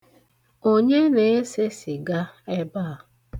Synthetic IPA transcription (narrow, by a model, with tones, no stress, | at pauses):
o˦ɲe˦ne˨e˦se˦si˨ɡa˦e˦ba˦a˨